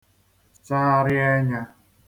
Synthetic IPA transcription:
t͡ʃa˦ɾɪ˦e˦ɲa˧

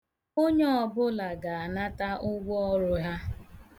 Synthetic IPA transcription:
o˦ɲe˦ɔ˨bʊ˦la˨ɡa˨a˨na˦ta˦ʔʊ˦ɡʷɔ˦ɔ˦ɾʊ˦ɦa˦

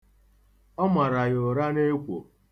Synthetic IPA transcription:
ɔ˦ma˨ɾa˨jo˨ɾa˦ne˦kʷo̰˨

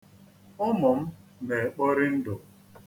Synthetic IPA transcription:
ʊ˦mʊ˨m̩˦ne˨k͡pɔ˦ɾɪ˦n̩˦dʊ˨

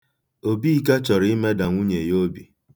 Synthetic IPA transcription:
o˨bi˦ka˦t͡ʃɔ˨ɾɪ˦me˦da˨ŋʷu˦ɲe˨jo˦bi˨

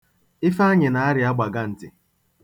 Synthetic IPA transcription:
ɪ˦fa˦ɲɪ˨na˨a˦ɾɪ˨a˦ɡ͡ba˨ɡa˦n̩˨tɪ˨

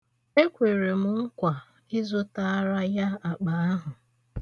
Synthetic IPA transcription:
e˦kʷe˨ɾe˨mʊ˨ŋ̩˦kʷa˨ | i˦zo˦ta˦a˦ɾa˦ja˦a˨k͡pa˨a˦ɦʊ˨

